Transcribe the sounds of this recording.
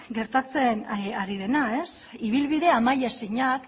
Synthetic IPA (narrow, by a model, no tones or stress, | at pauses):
ɡe̞ɾt̪at͡se̞naɾið̞e̞nae̞siβ̞ilβiðe̞amajasiɲak